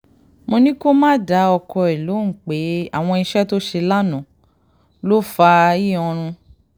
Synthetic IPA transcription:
mo˧nĩ˦ko˦mãː˦˨da˨˧˦ɔ˧kɔ˧i˨lo˨˦ŋ̩˨k͡pe˨˦a̰˦˨w̃ɔ̃˧i˧ʃɛ˦to˦ʃe˧la˦nɔ̃˨ | lo˦fa˧i˦˨ɔ̃˧ɾ̃ũ˧

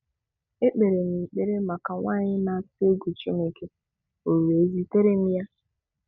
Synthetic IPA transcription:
e˦k͡pe˨ɾe˨m̩˨i˨k͡pe˨ɾe˦ma˨ka˨ŋʷa˦˨ɲɪ˦na˨˦si˦e˦ɡu˨t͡ʃe˦me˨ke˦ | o˨ɾu˨e˨zi˦te˦ɾe˦m̩˦ja˦

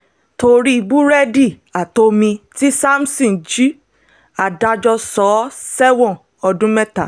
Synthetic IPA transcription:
to˧ɾi˦i˨bu˦ɾɛ˦di˦˨ | a˨to˧mĩ˧ti˦sa˦m̩˦sɔ̃˦˨d͡ʒi˦ | a˨da˧d͡ʒɔ˧sɔ˨˦sɛ˦wɔ̃˦˨ | ɔ˧dũ˨˦mɛ˦ta̰˨

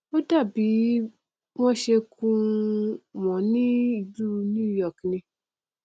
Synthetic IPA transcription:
o˦da˦˨bi˨˦ | w̃ɔ̃˦ʃe˧kũ˧ | wɔ̃˨nĩ˦i˨d͡ʒu˦˧nũ˦˨jɔ˦˨knĩ˧

